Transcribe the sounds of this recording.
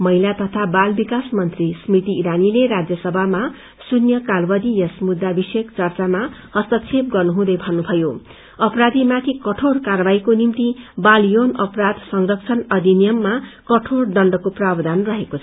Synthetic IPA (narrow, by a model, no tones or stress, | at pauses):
mʌɦilat̪ʌt̪ʰabalbikasmʌnt̪rismit̪iːɾanileɾad͡zjʌsʌbʱama | sunjʌkalbʌd̪ijʌsmud̪ːabisekt͡sʌrt͡samahʌst̪ʌt͡sʰep̚ɡʌrnuɦũd̪ʌjbʱʌnːubʱʌjo | ʌpɾad̪imat̪ʰikʌʈʰorkarbaɦikonimt̪ibaljonʌprad̪sʌŋrʌk̚t͡sʰʌnʌd̪inijʌmːakʌʈʰorɖʌɳɖʌkoprabd̪anrʌɦekot͡sʰ